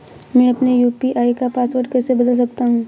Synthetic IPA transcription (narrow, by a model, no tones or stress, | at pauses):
mɛ̃ːɐpnejuːpiʔaːikapaːsʋəɾɖkɛːsebɐd̪əls̬ɐk̚t̪aɦũː